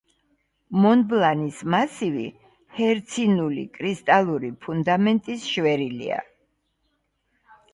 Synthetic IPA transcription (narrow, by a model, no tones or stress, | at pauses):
mɔnblˠanismasivḭ | hɛɾt̪sʰinulḭkʼɾist̪ʼalˠuɾipʰund̪amɛnt̪ʼisʃvɛɾilḭa̰